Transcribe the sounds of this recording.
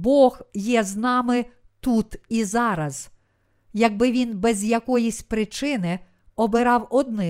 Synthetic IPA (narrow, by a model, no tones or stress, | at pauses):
bɔɣjɛznɑmɪ | t̪ut̪izɑɾɐz̥ | jɐɡ̚bɪʋʲinbɛzʲjɐkɔjisʲpɾɪt͡ʃɪnɪ | ɔbɪɾɑwɔd̪̚nɪ